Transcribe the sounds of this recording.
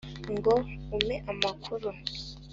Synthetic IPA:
ŋɡoumeʔamakʰuɾu

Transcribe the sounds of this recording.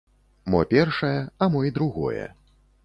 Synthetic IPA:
mɔ̰pʲɛrʂɐjɛɐmɔid̪ɾuɣɔ̰jɛ̰

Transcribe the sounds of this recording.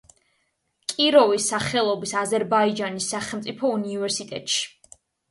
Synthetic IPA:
kʼiɾɔvisːaχɛlˠɔbisazɛɾbaid͡ʒanisːaχɛlˠmt̪sʼipʰɔunivɛɾsit̪ʼɛt̪ʼʃi̥

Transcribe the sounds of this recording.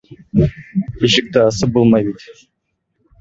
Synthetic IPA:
iʃɪk̚t̪ɪːsəp̚bolˠmɑjbit̪

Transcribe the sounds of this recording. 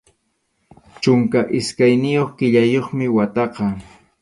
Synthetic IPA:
t͡ʃʊŋkaʔɪskajnɪjoχkɪʎajoχmɪwat̪ɑqɑ

